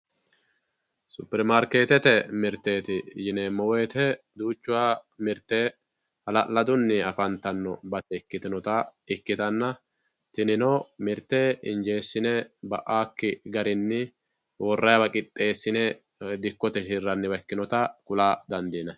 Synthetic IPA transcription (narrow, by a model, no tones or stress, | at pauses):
sʊpɛɾmaɾke̞ːt̪ɛt̪ɛmɪɾt̪ːe̞ːt̪ɪjɪnɛmɔweːt̪ɛ | d̪uːt͡ʃːʊwaːmɪɾt̪ːeː | hɐlɐlɐd̪ʊnːɪɐfɐnt̪ɐnːɔ̰bɐt̪ːɛɪkːɪt̪ɪnɔt̪ɐɪkːɪt̪ɐnːɐ | t̪ɪnɪnɔmɪɾt̪eːɪnd͡ʒe̞ːsːɪnɛbɐʔaːkːɪɡɐɾɪnːɪ | wɔrːɐjɐbɐkʼɪt̪ʼːe̞ːsːɪnɛ | d̪ɪkːɔt̪ɛʃɪrːɐnːɪwɐkːɪnɔt̪ɐkʊlaːd̪ɐnd̪iːnɐ